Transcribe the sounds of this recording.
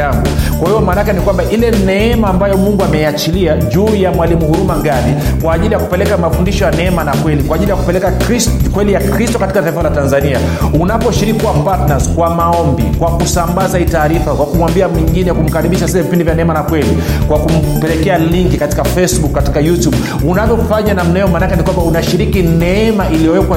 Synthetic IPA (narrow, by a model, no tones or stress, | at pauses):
aŋɡukwahiɔmaːnakɛnikwambaʔilɛnɛɛmaːmbajɔmuŋɡuamɛiat͡ʃiliaʄuːjamwalimuhuɾumaŋɡazikwaːʄilijaku̥pɛlɛkamafundiʃɔjanɛɛmanakwɛlikwaːʄilijaku̥pɛlɛkakwɛlijakɾistɔkatikataifalatanzania | unapɔʃiɾikkiwapatnaskwamaɔmbikwakusambazaitaːɾifakwakumwambiamiŋɡinɛjakum̩kaɾiɓiʃasiɛvipindivjanɛɛmanakwɛlikwakum̩pɛlɛkɛaliŋkikati̥kafɛsɓukːati̥kajutjuɓ | unavjɔm̩faɲanam̩naɛɛɔmanakɛnikwambaunaʃiɾikinɛɛmaʔiliɔwɛkwa